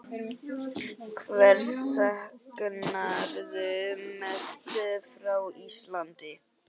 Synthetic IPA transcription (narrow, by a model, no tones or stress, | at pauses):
kʰvɛɾ̥sahknaɾðʏmɛst̪ʏfɾawislant̪ɪ